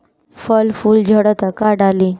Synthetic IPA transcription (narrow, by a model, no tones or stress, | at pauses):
fəlfuːld͡ʑʱəɽət̪akaɖali